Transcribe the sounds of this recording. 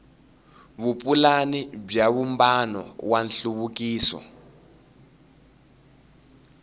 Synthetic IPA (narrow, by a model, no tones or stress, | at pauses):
βupʼulanib͡ʐaβumbanɔ̰wanɬuβukiːsɔ̰